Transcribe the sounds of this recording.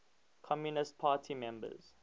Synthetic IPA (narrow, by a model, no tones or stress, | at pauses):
kʰɔmjunɪst̚pʰaːtʰimɛ̃mbə̰z̥